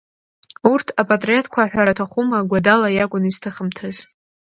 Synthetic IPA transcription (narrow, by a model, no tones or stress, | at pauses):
urtʰapʼatʼrietʰkʷʰaħʷᶣaɾatʰaχʷumaɡʷadalajaɡʷʼʊniztʰɨχəmtʰɨz